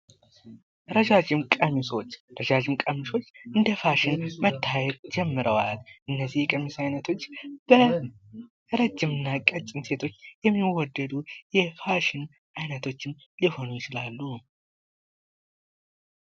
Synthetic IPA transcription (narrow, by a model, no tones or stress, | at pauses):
ɾəʒad͡ʒɪmkʼəmiso̞t͡ʃːɾəʒad͡ʒɪmkʼəmiso̞t͡ʃːʔɨnd̪əfaʃɪnmət̪ʰːajɛt̪d͡ʒɛmːɨɾəwalʔɨnːəzːihjkʼəmisajnət̪ʰo̞t͡ʃːb̥ə | ɾəd͡ʒːɪmɨnːakʼət͡ʃʼɪmse̞t̪ʰo̞t͡ʃːjɛmːiwɔd̪ːəd̪ujɛfaʃɪn | ʔajnət̪ʰo̞t͡ʃːɪmliho̞nujɪt͡ʃɪlalːu